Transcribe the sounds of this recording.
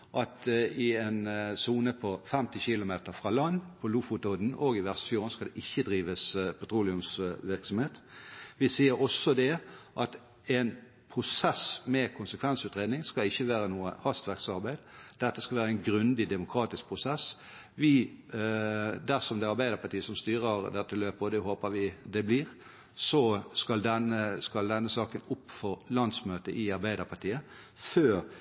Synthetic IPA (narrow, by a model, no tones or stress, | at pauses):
ʔɑt̪ɪɛnsuːnəpʰɔfɛmt̪ɪçɪlʊmeːt̪əɾfʁɑːlɑnːpʰɔlufʊt̪od̪n̩ʔoːɡɪʋæʁst̪fjuːʁənskɑd̪ɛʔɪçːəd̪ɾiːʋəspʰʊt̪ʰɾuːlɪʉmsʋɪʁksɔmheːt̪ʋɪsiːəɾɔsːɔd̪ɛʔɑt̪ | ɛn | pʰʁʊsɛsmɛkʰʊnsəkʰʋɛnsʉːt̪ʁeːd̪nɪŋskɑɪçːəʋæːɾənuːə̰hɑst̪ʋæʁksɑʁbæɪd̪d̪̥ɛt̪ːəskɑʋæːɾəɛɪnɡɾʉnd̪ɪd̪ɛmʊkʰɾɑːt̪ɪsk̚pʰʁʊsɛs | ʋɪ | d̪æʁsɔmd̪ɛɑɾbæɪd̪əɾpʰɑʈ̪iːəsɔmst̪yːʁəʁd̪ɛt̪ːəløːpəɔd̪ɛhoːpəʋɪd̪ɛbliːʁ | sɔskɑld̪ɛnəskɑld̪ɛnːəsɑːkənʊpːfɔʁlɑnd̪smøːt̪əʔɪɑɾbæɪd̪əɾpʰɑt̪ʰiːə | føːɾ